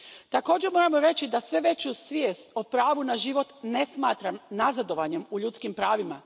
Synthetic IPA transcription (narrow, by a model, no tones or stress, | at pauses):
t̪ako̞ːd͡ʑeɾmo̞ːɾamoɾe̞t͡ɕid̪asʋe̞ʋe̞t͡ɕusʋjeːst̪opɾaːʋunaʒiʋo̞t̪ne̞smaːt̪ɾamnazad̪o̞ʋaɲe̞muʎut̪skimpɾaːʋima